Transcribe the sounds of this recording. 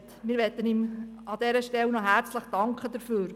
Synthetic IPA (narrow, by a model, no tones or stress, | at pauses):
t̪mɪːɾʋɛt̪ːəniːm | ɑd̥̪ɛɾəʃtɛlnɔɦæɾt͡sləχd̥ɑŋkʰχəd̥̪əɾfyːɾ